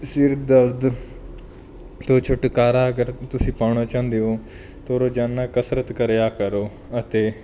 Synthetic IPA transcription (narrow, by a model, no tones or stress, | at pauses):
sɪɾd̪əɾd̪ | t̪õːt͡ʃʰʊʈkaːɾaːəɡəɾt̪ʊsĩːpaːɽ̃oːt͡ʃãːnd̪eɦõː | t̪oːɾoːd͡ʒaːnːaːkəsɾət̪kəɾjaːkəɾoː | ət̪eː